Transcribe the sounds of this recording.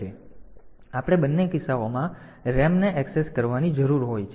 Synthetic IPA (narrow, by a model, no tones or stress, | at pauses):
e | apəɽ̃ebənːekɪsaomã | ɾɛmneʔɛkseskəɾʋanid͡ʒəɾuɾɦojt͡ʃʰ